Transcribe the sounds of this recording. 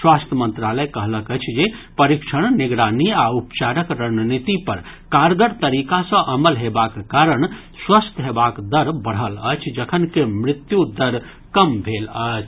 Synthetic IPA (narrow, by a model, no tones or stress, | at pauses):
swast̪ʰəmənt̪ɾaləjkəɦləkət͡ʃʰd͡ʒepəɾikʃʰəɽ̃niɡɾaniaupt͡ʃaɾəkɾənnit̪ipəɾ | kaɾɡəɾt̪əɾikasə̃ʔəməlɦebakkaɾəɳ̃ | swəst̪ʰɦebakd̪əɾbəɽ̤ɦələ̰t͡ʃʰd͡ʒəkʰənkemɾit̪jud̪əɾ | kəmbʱelət͡ʃʰ